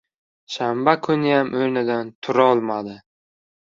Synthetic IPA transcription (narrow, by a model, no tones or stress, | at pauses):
ʃambakʰʊnɪjamʔojnɪd̪ant̪ʰʊɾɒlˠmad̪ɪ